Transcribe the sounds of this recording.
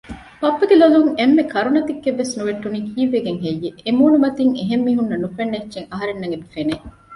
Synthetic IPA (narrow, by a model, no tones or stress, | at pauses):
pɐpːɐɡeloluŋemːekʰɐɾunɐt̪ikːeʋːesnuʋeʈːuniːkʰiːʋːeɡeŋɦejːeːmuːnumɐt̪iŋeɦemːiːɦunːɐnufenːet͡ʃːt͡ʃːʃeŋɐɦɐɾenːɐŋɡed̪ufene